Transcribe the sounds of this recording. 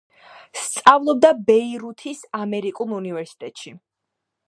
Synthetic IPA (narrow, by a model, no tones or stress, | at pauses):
st̪sʼavlˠɔb̚d̪abɛiɾut̪ʰisamɛɾikʼulˠunivɛɾsi̥t̪ʼɛt̪ʼʃi